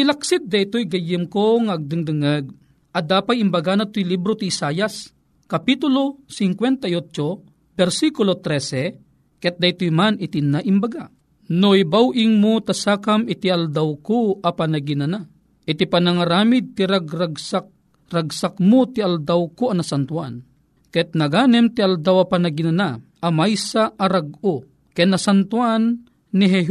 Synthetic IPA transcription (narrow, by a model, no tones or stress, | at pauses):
ɪlɐksɪt̪̚d̪ɐʔt̪ojɡɐjɪmkoŋaʔɐɡ̚d̪ɨŋd̪ɨŋɐɡ̚ | ʔɐd̪aːpajimbɐɡanat̪ojlibɾot̪iɪsaːjas | kɐpit̪ʊlosɪŋkwɛnt̪ɐjot͡ʃo | bɛɾsikʊlot̪ɾɛsɛ | kɛt̪̚d̪ɐjt̪ojmanɪt̪inaʔɪmbɐɡa | noibawʔɪŋmot̪ɐsaːkamɪt̪iɐld̪awkoʔɐpanɐɡɪnana | ʔɪt̪ipɐnɐŋɐɾaːmɪd̪̚t̪ɪɾaɡɾaɡsak̚ | ɾaɡsakmot̪ɪɐld̪awkoɐnɐsant̪wan | kɛt̪̚nɐɡaːnɛmt̪iald̪awɐpɐnɐɡɪnanaʔɐmajsaʔɐɾaɡo | kɛnɐsant̪wanː | ɪɦɛɦ